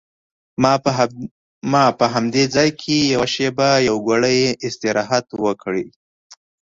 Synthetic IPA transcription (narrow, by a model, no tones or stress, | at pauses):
mɑpəɦamd̪ed͡zɑjkʰejawaʃebajawɡʷaɽəjeʔɪst̪ɪɾɑɦat̪wəkɽi